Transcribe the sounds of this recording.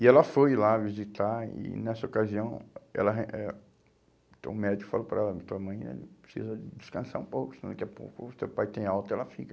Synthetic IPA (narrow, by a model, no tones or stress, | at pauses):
iɛlɐfojlavizit̪aḭnɛsɐokaziɐ̃w̃ɛ̰lɐɦeʔɛ | ẽt̪ɐ̃w̃mɛd͡ʒikʊ̥falopɾaɛlɐmĩt̪õɐmɐ̃j̃ɐ̰pɾe̥sḭzɐd͡ʒiskɐ̃saɾũpowkʊsɪnɐ̃kɛpo̰kʊsewpajt̪ẽj̃awt̪ʊɛlɐfikɐ̥